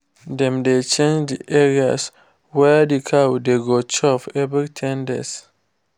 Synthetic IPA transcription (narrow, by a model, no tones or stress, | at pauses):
dɛ̃mdet͡ʃẽnd͡ʒdiʔɛɹias | wɛdikʰawdeɡot͡ʃɔfɛbitʰɛ̃ndɛ̰s